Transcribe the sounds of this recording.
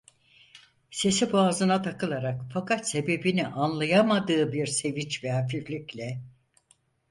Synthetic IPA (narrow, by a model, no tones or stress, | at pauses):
se̞sibuazɯnat̪ʰakʰɯlˠaɾakfakat̪se̞be̞biniʔanlˠajamad̪ɯːbiɾse̞vit͡ʃvɛɦafiflʲiclʲɛ